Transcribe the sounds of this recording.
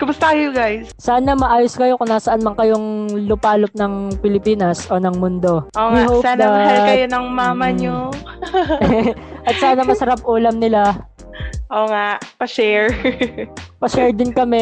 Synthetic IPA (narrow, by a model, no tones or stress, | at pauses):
kʊmʊst̪ɐkɐjʊɡajssaːnɐmɐʔaːjoskɐjo̞kʊŋnaːsɐʔanmɐŋkɐjoŋlʊpaːlop̚nɐŋpɪlɪpiːnɐsʔo̞ːnɐŋmʊnd̪o̞ʔoːŋwɪhowsaːnɐmɐalkɐjonɐŋmaːmɐɲo | ʔɐt̪saːnɐmɐsɐɾap̚ʔuːlɐmnɪla | ʔoːŋaʔpɐʃɛɹ | pɐʃɛɹd̪ɪnkɐmɛ